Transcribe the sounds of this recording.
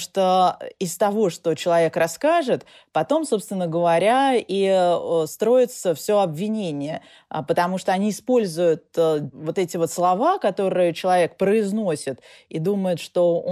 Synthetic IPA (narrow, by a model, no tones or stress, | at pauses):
ʂt̪oɪst̪ɐvo̞ʂt̪o̞t͡ɕɪlˠɐvʲe̞krɐskaʐɨt̪ | pɐt̪o̞mso̞pst̪vʲɪnːəɡəvɐɾʲaist̪ɾo̞ɪt̪səfsʲo̞ɐbvʲɪnʲenʲɪjə | pət̪ɐmuʂt̪oɐnʲiɪspo̞lʲzʊjʊt̪̚vo̞t̪ɛtʲɪvo̞t̪slˠɐvakɐt̪o̞ɾɨjət͡ɕɪlˠɐvʲe̞k̚pɾəɪznosʲɪt̪ | id̪uməjʊt̪ʂt̪o̞